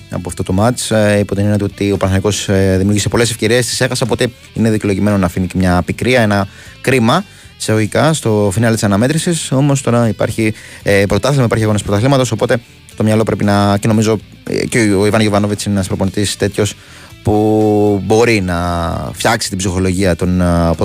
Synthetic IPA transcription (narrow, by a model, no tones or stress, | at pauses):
ɐ̰poɐft̪ot̪o̞mɐt͡ʃipot̪ininet̪eot̪io̞pɾɐθoniko̞sðimiuɾʝisepo̞le̞s̬efce̞ɾiest̪i̥se̞xɐsɐopo̞t̪e̞ | ine̞ðico̞loʝime̞no̞nɐfinicemɲɐːpikɾiɐe̞nɐ | kɾimɐ | seoʝikɐst̪o̞finɐlt̪isɐnɐme̞t̪ɾisiso̞mos̬t̪o̞ɾɐipɐ̰ɾçipɾo̞t̪ɐθlimɐipɐɾçiɐɣo̞nespɾo̞t̪ɐθlimɐt̪o̞so̞po̞t̪e̞ | t̪o̞mɲɐlo̞pɾe̞pinɐceno̞mizo̞̰ | ceoivɐnʝovɐnovit͡sinnɐspɾoponit̪ist̪e̞t̪ço̞s | pubo̞ɾinɐfçɐksi̥t̪ibzixo̞lo̞ʝiɐt̪o̞npo